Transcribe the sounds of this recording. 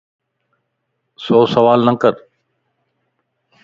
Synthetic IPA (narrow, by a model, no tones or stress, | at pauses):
soːsəʋaːlnə̃kəɾ